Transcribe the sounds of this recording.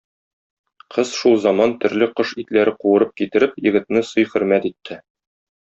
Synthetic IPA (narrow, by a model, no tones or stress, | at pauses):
qʰɤz̥ʃulˠzɑmɑnt̪ɵ̆ɾlɘqɤʃit̪læɾɘquwɤ̆ɾɤp̚kit̪ɘ̆ɾɘpjɘ̆ɡɘ̆t̪̚nɘsɤjχɵ̆ɾmæt̪it̪ʰːɘ